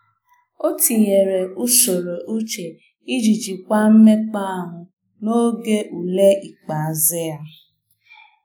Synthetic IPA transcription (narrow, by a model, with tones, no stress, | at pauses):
o˦ti˨je˨ɾe˨u˦so˨ɾo˨ʔu˦t͡ʃe˨ | i˦d͡ʒi˨d͡ʒi˨kʷa˦m̩˦me˦k͡pa˦a˨ɦʊ̃˨ | no˦ɡe˦ʔu˨le˦ʔi˨k͡pa˨a˨ze˦a˦